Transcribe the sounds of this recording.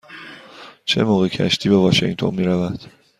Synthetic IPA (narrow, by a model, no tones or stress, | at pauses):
t͡ʃʰe̞̰moːɣecʰæ̰ʃt̪ʰiːbevɒʃḭŋt̪ʰo̞̰nmiːɾævæd̪̥